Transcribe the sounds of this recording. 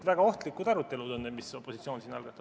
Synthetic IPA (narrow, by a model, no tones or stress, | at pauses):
væɡ̥ɑo̞ht̪likːˑud̪ɑɾut̪ːˑe̞lud̪unːemiso̞pːˑo̞sit̪sio̞ːnsiːnɑ̰lɡ̥ɑt̪ːˑɑ